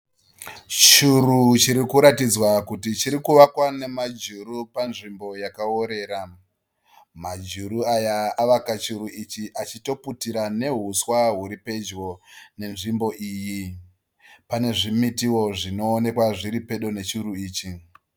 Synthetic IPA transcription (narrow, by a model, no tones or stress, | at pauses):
t͡ʃuɾut͡ʃiɾikuɾatid͡zwakutit͡ʃiɾikuʋakwane̞mad͡ʒurupanʐimbo̞jakaoɾe̞ːɾa | mad͡ʒuɾuajaːʋakat͡ʃuɾuit͡ʃiʔat͡ʃito̞putiɾane̞ɦuswaɦuɾipe̞d͡ʒɣo̞ne̞nʐimbo̞ʔiːji | pane̞ʐimitiwo̞ʐino̞ːne̞kwaʐiɾipe̞ɗo̞ne̞t͡ʃuɾuiːt͡ʃi